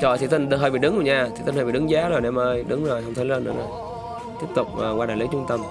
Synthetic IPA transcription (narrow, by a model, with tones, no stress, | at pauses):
t͡ɕɔ̰˧˩t̪ʰi˨˩t̪ï˧˩ŋ˧ɦəː˧˩ɓḭ˧˨ɗɨ˨˦ŋku˧˩˦ɲaː˨˩t̪i˨˩t̪nhəː˧˩ɓḭ˧˨ɨ˨˦ŋzaː˨˦zo˨˩jnɛ˧mʔəː˧jɗɨ˨˦ŋzo˨˩jhə˧wŋ͡mt̪ʰə˨˦lə˧nɨ̰˧˥ənzo˨˩j | t̪i˦˥p̚t̪ʊ˨˩k͡p̚ːwaː˧aː˧˨jli˨˦t͡ɕʊ˨˧˦ŋ͡mt̪ə˧m